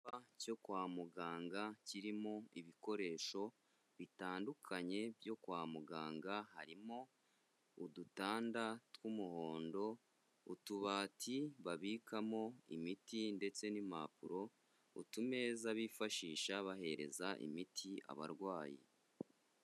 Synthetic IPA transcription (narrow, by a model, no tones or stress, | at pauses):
βaco̞kwaːmuɡaːŋɡaciɾimo̞iβiko̞ɾe̞ːʃo̞ | βitaːndukʰaɲe̞bjo̞kwaːmuɡaːŋɡahaɾimo̞ | udutaːndatwumuho̞ːndo̞ | utuβaːtʰiβaβiːkʰamo̞ḭmitinde̞t͡se̞nima̰puɾo̞ | ṵtume̞zaβiːfaʃiːʃaβaɦe̞ɾe̞̰zaʔḭmitʰia̰βa̰ɾɡwaːjḭ